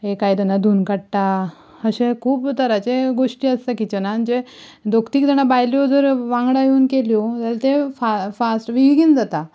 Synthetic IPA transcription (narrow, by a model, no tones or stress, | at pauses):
ekajd̪ənad̪ʱuːnkaɽʈ̪a | əɕẽkʰuːpt̪əɾat͡seɡoʂʈiːəst̪akit͡ɕnand͡ʑed̪okt̪iːk̚d̪əɽ̃abajljod͡zəɾʋãŋɡɽajuːnkeljot̪alt̪efafasʈʋiɡiːnd͡zat̪a